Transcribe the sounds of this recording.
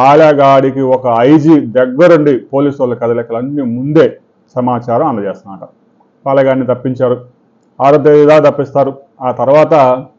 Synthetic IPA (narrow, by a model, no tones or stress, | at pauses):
aːljaːɡaːɽikiɔkɐɐjd͡ʒiːd̪ɛɡːɐɾuɳɖipo̞ːliːsɐlːɐkɐd̪ɐlɛkːɐlɐnːimund̪e̞ː | sɐmaːt͡ʃaːɾɐmɐnd̪ɐd͡ʒeːst̪ɐnmɐːʈɐ | pɐːlɐɡaːnːit̪ɐpːiɲt͡ʃaːɾu | aːɾɐd̪eid̪aːt̪̬ɐpːist̪aːɾu | aːt̪ɐɾuʋaːt̪ɐ